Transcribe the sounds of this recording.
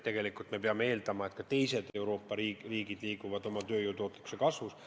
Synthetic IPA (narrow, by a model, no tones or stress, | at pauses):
t̪e̞ɡe̞likˑult̪me̞peɑmee̞ːld̪ɑmɑe̞t̪̚kɑt̪e̞jse̞d̪̥e̞wɾo̞ːpːˑɑɾiriːɡ̥id̪̥liːɡ̥uvɑd̪̥o̞mɑt̪øːjuːt̪o̞ːt̪le̥ku̥sekɑsvus